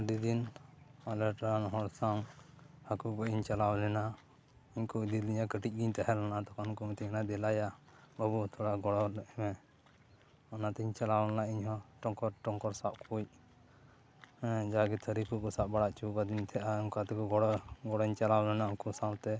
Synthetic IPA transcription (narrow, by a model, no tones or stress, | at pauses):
ɖid̪inalɛɾʈnɔɦɔɾsawhakukɔiɲt͡ʃalawlɛna | iɲkud̪iliɲakəʈic̚ˀɡiɲt̪aɦɛlɔnat̪ɔkankɔmit̪inad̪ɛlajabəbut̪ʰɔɽaɡɔɽɔlɛʔɛmɛ | ɔnat̪ɛiɲt͡ʃalawlanaʔiɲɦɔʈɔŋkɔɾʈɔŋkɔɾsaʔkʰuc̚ | d͡ʒaɡɛt̪ʰəɾikʰukɔsaʔbaɽaʔt͡ʃukad̪int̪ʰɛʔauŋkat̪ɛkɔɡɔɽɡɔɽɔɲt͡ʃalawlɛnaɔkusaw̃t̪ɛ